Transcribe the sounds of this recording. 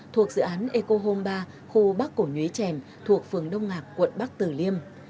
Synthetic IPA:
t̪ʰu˨˩ək̚z̥ɨ̰˧˨ʔaː˨˦nʔe˧ko˧ɦo˧mɓaː˧ | xu˧ɓa˦˥k̚kːo˧˩ɲwi˨˦jt͡ɕɛ˧˩m | t̪ʰu˨˩ək̚fɨ˨˩əŋɗə˧wŋ͡mŋaː˨˩k̚kwə̰˧˨nɓa˦˥k̚t̪ɨ˨˩li˧əm

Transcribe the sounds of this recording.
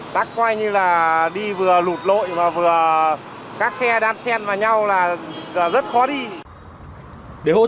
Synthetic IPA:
t̪aː˦˥kːwaː˧jɲɨ˧laː˨˩ɗi˧vɨ˨˩əlu˨˩t̚lo̰˧˨jmaː˨˩vɨ˨˩ə | kaː˦˥k̚sɛ˧ɗaː˧nsɛ˧nvaː˨˩wɲa˧wlaː˨˩zaː˨˩zə˦˥t̚xɔ˨˦ɗi˧ | ɗe˨˩ho˧˨

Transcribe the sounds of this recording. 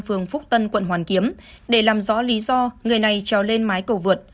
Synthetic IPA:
fɨ˨˩əŋfʊ˦˥k͡p̚t̪ə˧nkwə̰˧˨nhwaː˨˩nki˨˦əm | ɗe˧˩laː˨˩mzɔ̰˧˥li˨˦zɔ˧ŋɨ˨˩əjna˨˩jt͡ɕaː˨˩wle˧nmaː˨˦jkə˧˩wvɨ˨˩ət̚

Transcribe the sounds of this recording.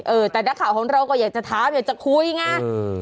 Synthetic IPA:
ʔɤː˧˩t̪ɛː˨˩naː˦˥kʰaː˨˩wkʰɔː˨˩˦ŋɾa˧wkɔː˥˩jaː˨˩k̚t͡ɕa˨˩t̪ʰaː˨˦mjaː˨˩k̚t͡ɕa˨˩kʰu˧jŋaː˧˥˩

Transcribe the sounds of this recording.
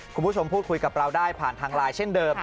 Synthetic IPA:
kʰu˧nmpuː˦˥˩t͡ɕʰo˧mpʰuː˥˩t̪̚kʰu˧jka˨˩p̚ɾa˧wdaː˥˩jpʰaː˨˩nt̪ʰaː˧ŋɾaː˧jt͡ɕʰe˥˩ndɤː˧m

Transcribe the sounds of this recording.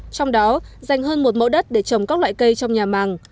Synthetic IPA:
t͡ɕɔ˧wŋ͡mɗɔ˨˦za˨˩jŋ̟ɦəː˧nmo˨˩t̚mə̰˧˥ɗə˦˥t̚ɗe˧˩t͡ɕə˨˩mkaː˦˥k̚lwa̰ː˧˨jkə˧jt͡ɕɔ˧wŋ͡mɲaː˨˩maː˨˦ŋ

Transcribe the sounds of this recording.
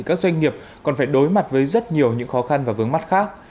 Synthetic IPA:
i˨˩kaː˦˥k̚zwa˧jŋ̟ŋi˨˩əp̚ | kɔ˨˩nfaː˧˩jɗo˨˦jma˨˩t̚vəː˨˦jzə˦˥t̚ɲi˨˩əwɲɨ̰˧˥ŋxɔ˨˦xa˧nvaː˨˩vɨ˨˦əŋma˦˥t̚xaː˦˥k̚

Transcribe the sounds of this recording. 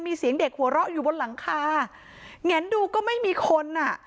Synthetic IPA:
nmiː˧si˨˩˦əŋde˨˩k̚hu˩˦ɾɔ˦˥ʔjuː˨˩bo˧nla˨˩˦ŋkʰaː˧ | ŋɛ˩˦˥nduː˧kɔː˥˩ma˥˩jmiː˧kʰo˧nʔa˨˩

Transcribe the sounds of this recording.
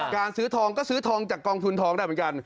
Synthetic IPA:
kaː˧nsɯː˦˥t̪ʰɔː˧ŋkɔː˥˩sɯː˦˥t̪ʰɔː˧ŋt͡ɕaː˨˩kːɔː˧ŋt̪ʰu˧nt̪ʰɔː˧ŋda˥˩jmː˩˦ka˧n

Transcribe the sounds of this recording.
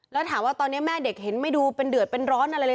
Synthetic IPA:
lɛː˦˥wt̪ʰaː˩˦mwaː˥˩t̪ɔː˧nːi˦˥ɐmɛː˥˩de˨˩k̚he˩˦nma˥˩jduː˧pe˧ndɯ˨˩ət̪̚pe˧nɾɔː˦˥nʔa˧ɾa˧jlɤ˧˥

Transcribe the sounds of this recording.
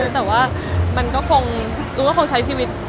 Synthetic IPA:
t̪ɛː˨˩waː˥˩ | ma˧nkɔː˥˩kʰo˧ŋ | ɾuː˧˦kɔ˥˩kʰo˧ŋt͡ɕʰa˦˥jt͡ɕʰiː˥˩wi˦˥t̪̚

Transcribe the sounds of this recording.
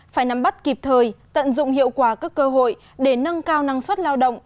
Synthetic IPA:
faː˧˩jna˨˦mɓa˦˥t̚ki˨˩p̚t̪ʰəː˨˩jt̪ə̰˧˨nzʊ̰˧˨ŋ͡mhḭ˧˨əwkwaː˧˩kaː˦˥kːəː˧ɦo̰˧˨j | ɗe˧˩nə˧nkaː˧wna˧ŋswə˦˥t̚laː˧wɗə̰˧˨wŋ͡m

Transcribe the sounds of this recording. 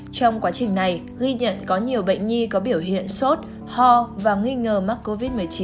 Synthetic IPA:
t͡ɕɔ˧wŋ͡mkwaː˨˦t͡ɕï˨˩ŋ̟na˨˩j | ɣi˧ɲə̰˧˨nkɔ˨˦ɲi˨˩əwɓə̰˧˨ŋ̟ɲi˧kɔ˨˦ɓi˧˩əwɦḭ˧˨ənso˦˥t̚ | hɔ˧vaː˨˩ŋi˧ŋəː˨˩ma˦˥k̚ko˧vi˦˥t̚mɨ˨˩əjt͡ɕi˨˦

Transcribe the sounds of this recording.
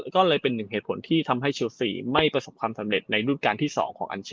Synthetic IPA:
kɔː˥˩lɤː˧jpe˧nːɯ˨˩ŋeː˨˩t̪̚pʰo̰˩˦nt̪ʰiː˥˩t̪ʰa˧mɦa˥˩jt͡ɕʰi˧wsḭː˨˩ma˥˩jpɾa˧so˨˩p̚kʰwaː˧msa˩˦mɾe˨˩t̪̚na˧jɾuː˥˩t̪̚kaː˧nt̪ʰiː˥˩sɔ̰ː˩˦ŋkʰɔː˩˦ŋʔa̰˧nt͡ɕʰː

